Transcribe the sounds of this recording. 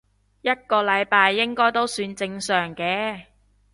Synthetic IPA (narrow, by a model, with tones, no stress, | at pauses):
jɐ˥t̚kɔː˧lɐ˨˧jpaː˧jːɪ˥ŋkɔː˥jt̪o˥wsyː˧nt͡sɪ˧ŋsœː˨˩ŋkɛː˨˧